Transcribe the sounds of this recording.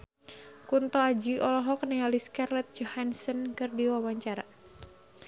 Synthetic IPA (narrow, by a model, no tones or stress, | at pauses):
kunt̪ɔad͡ʒiɔlɔɦɔknɛaliskarlɛt̪̚d͡ʒɔhansənkɨrdiwawaɲt͡ʃaɾa